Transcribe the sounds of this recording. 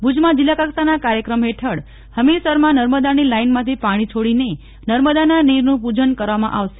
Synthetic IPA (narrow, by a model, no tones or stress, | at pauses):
bʱud͡ʒmãd͡ʒilːakaksanakaɾjəkɾəmɦeʈʰəɽ | həmilsəɾmãnəɾməd̪anilainmãt̪ʰipaɽ̃it͡ʃʰoɽine | nəɾməd̪ananiɾnũpud͡ʒənkəɾʋamã̰ʔaʋʃe̥